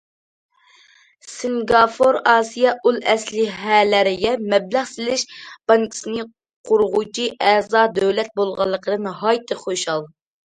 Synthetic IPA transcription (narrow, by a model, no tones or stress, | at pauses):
sɪŋɡɑfoɾɑːsijɑʔulˠɛslɪɦælæɾɪɡʲɛmɛblæʁsɪlɪʃb̥ɑŋkʲʰi̥sɨnɨ | qʰʊɾʁut͡ʃʰiʔɛzɑːd̪øwlɛt̪̚bolˠʁɑlˠːəqəd̪ɨnhɑjt̪ʰɨχoʃɑlˠ